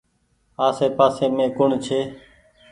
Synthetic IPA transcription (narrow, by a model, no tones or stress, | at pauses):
aːseːpaːseːmẽːkʊɳt͡ʃʰeː